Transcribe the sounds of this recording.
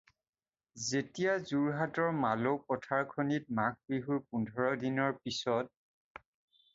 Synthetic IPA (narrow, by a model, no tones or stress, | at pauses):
zetijazuɹɦatɔɹmalopɔtʰaɹkʰonit̚mak̚biɦuɹpundʱɔɹɔdinɔɹpisɔt̚